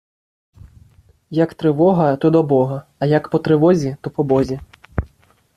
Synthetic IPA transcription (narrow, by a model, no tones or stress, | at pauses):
jɐkt̪ɾɨvɔɣɐt̪ɔd̪ɔbɔɣɐɐjɐkpɔt̪ɾɨvɔzʲit̪ɔpɔbɔzʲi